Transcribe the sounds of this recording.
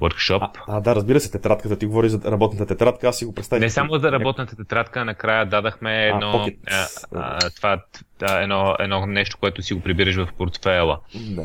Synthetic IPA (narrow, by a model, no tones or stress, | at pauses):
wəɾkʃɔpad̪aɾɐzbiɾəsɛt̪ɛt̪ɾat̪kət̪ət̪iɡovɔɾiʒzɐɾɐbɔt̪nt̪ət̪ɛt̪ɾat̪kəassiɡopɾɛt̪t̪avinɛsamoɾɐbɔt̪nət̪ət̪ɛt̪ɾat̪kənɐkɾajəd̪ad̪ɐxmɛːdnɔ | t̪vat̪ɛnɔɛ̰d̪nɔnɛʃt̪o̥koɛt̪ʊsiɡopɾibiɾəʃvɐfpoɾt̪fɛlˠəd̪a